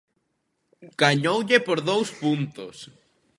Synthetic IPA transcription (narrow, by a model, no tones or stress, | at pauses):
ɡ̥aɲowʎɪpoɾðowspunt̪ʊ̰s